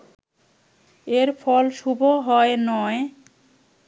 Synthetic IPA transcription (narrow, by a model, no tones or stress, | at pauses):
eɾfɔlʃubʱoɦɔenɔe